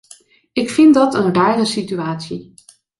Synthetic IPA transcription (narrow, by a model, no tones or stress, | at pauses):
ɪkfɪndɑtənraːrəsityaːtsi